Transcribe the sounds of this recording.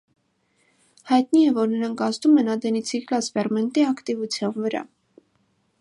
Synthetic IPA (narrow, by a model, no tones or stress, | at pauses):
hɑjt̪niɛvɔɾnəɾɑŋkʰɑst̪umɛnɑd̪ɛnit͡sʰiklɑspɛrmɛnt̪iɑkt̪ivut͡sʰjɑnvəɾɑ̰